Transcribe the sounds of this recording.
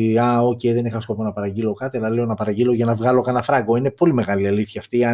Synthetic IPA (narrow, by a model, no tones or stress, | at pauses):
ɐo̞cejðe̞nixɐsko̞po̞nɐpɐɾɐɟilo̞kɐt̪iɐlɐle̞o̞nɐpɐɾɐɟilo̞ʝɐnɐvɣɐlo̞kɐnɐfɾɐɡo̞inepo̞lime̞ɣɐliɐliθçɐːft̪iɐ